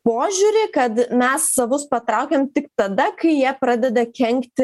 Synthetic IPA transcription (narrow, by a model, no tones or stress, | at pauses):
poːʒʲuɾʲɪːkɐt̪mʲɛsːɐʋʊspɐt̪ɾɑˑʊkʲeːmt̪ʲɪkt̪ɐd̪ɐkɐɪjiɛpɾɑːd̪ʲɛd̪ɐkʲɛŋkt̪ʲɪ